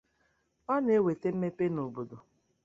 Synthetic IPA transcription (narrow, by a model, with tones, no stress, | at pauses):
ɔ˦ne˦we˨te˦m̩˦me˦pe˦no˨bo˨do˨